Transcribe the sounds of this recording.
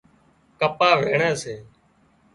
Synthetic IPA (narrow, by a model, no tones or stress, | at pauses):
kəpaːʋeːɳaːseː